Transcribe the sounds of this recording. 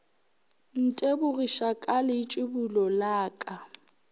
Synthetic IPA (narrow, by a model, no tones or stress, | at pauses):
n̩tʼebʊriʃakʼalɪt͡ʃʼɪbulɔlaːkʼa